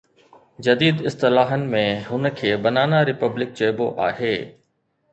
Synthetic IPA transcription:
d͡ʑɐd̪iːd̪ɪst̪ɪlaːɦənɪ̆mẽɦʊnə̆kʰeːbɐnaːnaɾɪpəblɪk̚d͡ʑɐɪbo̰ʔa̰ːɦeː

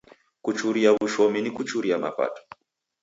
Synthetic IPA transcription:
kut͡ʃuɾiaβuʃɔminikut͡ʃuɾiama̰pa̰tɔ̥

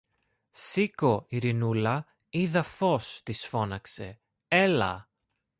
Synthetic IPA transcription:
siko̞iɾinulɐ | iðɐfo̞st̪isfo̞nɐkse̞ | e̞lɐ̰

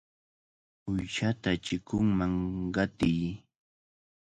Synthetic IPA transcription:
ʊjʃat̪at͡ʃɪkʊŋmaŋɢɑt̪ɪj

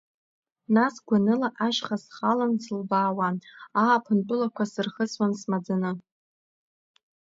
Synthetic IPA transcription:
nasɡʷanɨlaʔaʃχasχalansɨlbaːwaaːpʰɨntʼʊlakʷasɨrχəswansmad͡zanɨ

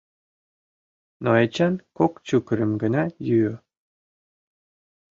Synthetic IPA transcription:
noet͡ɕɑnkokt͡ɕukəɾə̆mɡə̆nɑjyø

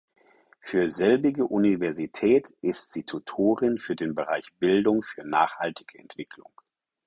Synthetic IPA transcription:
fyːɐzɛlbɪɡəʔunivɛɐzitʰɛːtʔɪstz̥iːtʰutʰoːʁɪnfyːɐdeːnbəʁaɪçb̥ɪldʊŋfyːɐnaːχha̰ltʰɪ̥ɡ̥əɛ̰ntv̥ɪkʰlʊ̰ŋ

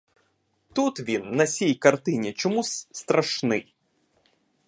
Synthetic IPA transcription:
t̪ut̪ʋʲinːɐsʲijkɐrt̪ɪnʲit͡ʃɔmusʲst̪ɾɐʃnɪj

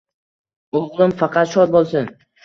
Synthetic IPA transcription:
oʁlˠɪmfɑqʰɑt̪ʃɒt̪̚bolˠsɪn

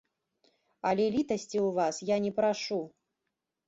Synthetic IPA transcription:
ɐlʲɛlʲit̪ɐsʲt͡sʲiuvasjanʲɛpɾaʂu

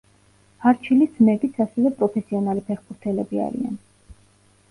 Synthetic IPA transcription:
haɾt͡ʃʰilid̪z̥mɛbit̪sʰasɛvɛpʼɾɔpʰɛsiɔnalipʰɛχbuɾt̪ʰɛlɛbia̰ɾḭa̰n

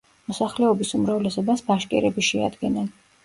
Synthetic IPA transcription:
mɔsaχlɛɔbisumɾavlɛsɔbasbaʃkʼɛ̰ɾɛbiʃɛa̰d̪ɡɛnan

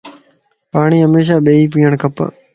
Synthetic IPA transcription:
paːɳ̃iːɦəmeːʃ̬aːɓeːiːp̬iːəɳ̃kʰəp

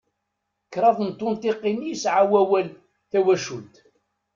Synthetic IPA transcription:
əkːɾˤɑðˤnt̪ˤːʊnt̪eqːinːijəsʕawæwæl | θæwæʃult̪

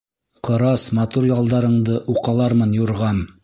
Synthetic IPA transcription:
qɤ̆ɾɑsmɑt̪uɾjɑlˠd̪ɑɾɤ̆ɴd̪ɤʔuqɑlˠɑɾmɤnjuɾʁɑm

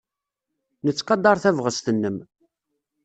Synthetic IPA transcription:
nət͡sːqɑd̪ɑɾˤθævʁəst̪ənːəm

